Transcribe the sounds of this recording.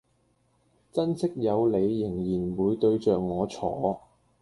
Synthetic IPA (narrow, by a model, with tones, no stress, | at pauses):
t͡sɐ˥nsʰɪ˥k̚jɐ˨˧wle˨˧jːɪ˨˩ŋjiː˨˩nwuː˨˧jt̪ɵ˧ɥt͡ʃœː˨k̚ŋɔː˨˧t͡sʰɔ̰ː˨˥